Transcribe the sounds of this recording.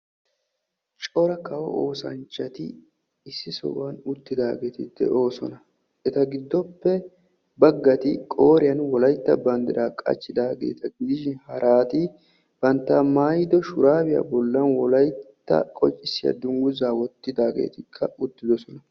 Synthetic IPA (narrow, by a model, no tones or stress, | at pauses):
t͡ʃʼɔɾɐkɐwɔ̰oːsɐ̰nt͡ʃːɐt̪ɪ̰ | ɪsːɪsɔ̰banʊt̪ːɪd̪aːɡeːt̪ɪd̪̥ɛ̰ʔo̞ːsɔnɐ | ʔɛt̪ɐɡɪd̪ːɔpːɛ | bɐɡːɐt̪ɪkʼo̞ːɾɪjɐnwɔlɐjt̪ːɐbɐnd̪ɪɾaːkʼɐ̰t͡ʃːɪd̪aːɡe̞̰ːt̪ɐɡɪd̪ɪʃɪnhɐɾʔaːt̪ɪ | b̥ɐnt̪ːaːmaːjd̪ɔʃʊɾaːbɪja̰bɔlːɐnwɔlɐjt̪ːɐ̰kʼɔt͡ʃʼːɪsːɪjɐ̰d̪ʊŋɡʊzaːwɔt̪ːɪd̪aːɡḛːt̪ɪkʰːɐʊt̪ːɪd̪ɔsɔnɐ